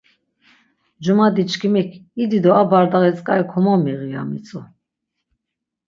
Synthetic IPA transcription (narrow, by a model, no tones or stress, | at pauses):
d͡ʒumad̪it͡ʃʰkʰimikʰid̪id̪ɔabaɾd̪aɣɛt͡sʼkʼaikʰɔmɔmiʁija̰mit͡sʼɔ